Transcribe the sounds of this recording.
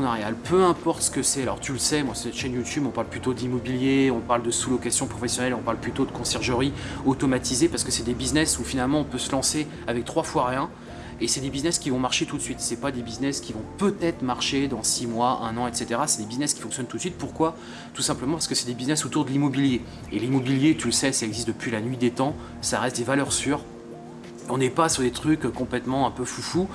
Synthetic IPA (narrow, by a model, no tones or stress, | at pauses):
naʁjalpʰøɛ̃pɔʁt̪sə̥kəsɛalɔ̰ʁt̪yləsɛmwasɛt̪ʃɛnjut̪ybɔ̃paʁlplyt̪od̪limɔbiljeɔ̃paʁld̪əsulɔkasjɔ̃pχɔfesjɔnɛlɔ̃paʁlplyt̪od̪əkɔ̃sɛʁʒəʁiot̪ɔmat̪ʰizepaʁsə̥kəsɛd̪ebiznɛsufinalmɑ̃ɔ̃pøsəlɑ̃se | avɛk̚t̪χwafwaʁjɛ̃ | esɛd̪ebiznɛskʲivɔ̃maʁʃet̪ut̪sɥit̪sɛpad̪ebiznɛskʲivɔ̃pøt̪ɛt̪χəmaʁʃed̪ɑ̃simwaɛ̃nɑ̃ɛt̪set̪eʁasɛd̪ebiznɛskʲi̥fɔ̃ksjɔnt̪ut̪sɥit̪̚puʁkwa | t̪usɛ̃pləmɑ̃paʁsəkəsɛd̪ebiznɛsot̪uʁd̪əlimɔbilje | elimɔbiljet̪yləsɛsalɛɡzist̪̚d̪əpɥilanɥid̪et̪ɑ̃ | saʁɛst̪̚d̪evalœʁsyːʁ | ɔ̃nɛpasyʁd̪et̪χykʲkɔ̃plɛt̪mɑ̃ɛ̃pøfufu